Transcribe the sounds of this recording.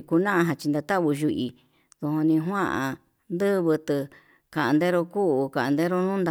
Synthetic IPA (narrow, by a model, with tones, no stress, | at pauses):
ku˧nã˦ʔã˧ɦã˧t͡ʃi˧nd̪a˧t̪a˦βu˧ʒu˧ʔi˧ | ðũ˧hõ˧nĩ˧ɦwã˦ʔã̰˧ | nd̪ɨ˦βɨ˧t̪ɨ˧ | ka˨ʔã˧nd̪e˦ɾo˧ku˦u˧kã˨ʔnd̪e˦ɾo˦nũː˦nd̪a˧